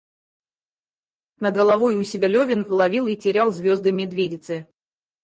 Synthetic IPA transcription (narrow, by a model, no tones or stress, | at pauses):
nəɡəlˠɐvojʊsʲɪbʲɪlʲovʲɪnvlˠɐvʲilˠitʲɪɾʲalˠzʲvʲo̞zd̪ɨmʲɪd̪vʲedʲɪt̪sɨ